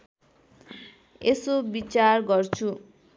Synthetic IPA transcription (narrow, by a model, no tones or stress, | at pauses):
esobit͡sarɡʌrt͡sʰu